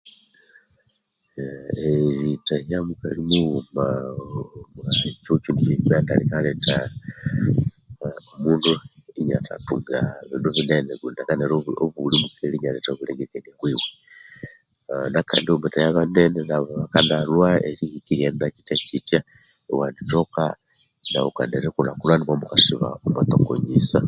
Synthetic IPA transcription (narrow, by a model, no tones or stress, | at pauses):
eɾitajjamukaɾimuuma | t͡ʃot͡ʃiːndit͡ʃemaːnda̰likaleta | omuːnduiɲa̰ta̰tṵːŋɡaβinuβineneβunakaneɾooβulimukʰeɾiɲaletaoβuleɡekenaβwiːwe | naka̰ːndiomutajaβanenenaββakanalwaeɾihikiɾiannaci̥tacitja | ewandit͡ʃoka | na̰okaneɾekulakulwaniβamukasiβa̰omat̪oko̰ɲisa